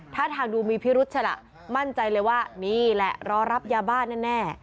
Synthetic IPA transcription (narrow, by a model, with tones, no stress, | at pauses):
t̪ʰaː˥˩t̪ʰaː˧ŋduː˧miː˧pʰi˦˥ɾu˦˥t̪̚t͡ɕʰa˧la̰˨˩ʔ | ma˥˩nt͡ɕa˧jlɤː˧jwaː˥˩niː˥˩lɛ̰˨˩ʔɾɔː˨˦˥ɾa˦˥p̚jaː˧baː˥˩nɛː˥˩nɛː˥˩